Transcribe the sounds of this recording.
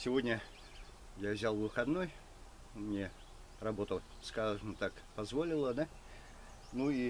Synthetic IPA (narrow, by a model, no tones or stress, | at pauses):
sʲɪvo̞dʲnʲə | javzʲalˠvɨxɐd̪noj | mnʲe | rɐbo̞t̪ə | skaʐɨmt̪ak | pɐzvolʲɪlˠəd̪a | nui